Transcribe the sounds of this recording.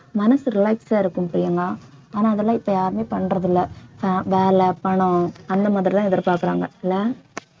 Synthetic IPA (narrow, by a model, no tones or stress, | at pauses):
mɐnɐsɯɾɪlɐɪksaːɪɾɯkːɯmpɐɾɪjɐŋɡaː | aːnaːɐðɐlːãːɪpːɐjaːɾɯmeːpɐɳːɾɐðɪlːɐfaːʋeːlɐpɐɳʊ̃ɐnd̪ɐmaːðɪɾit̪ãːɪðɐɾpaːɾkɯɾaːŋɡɐɪlːɐ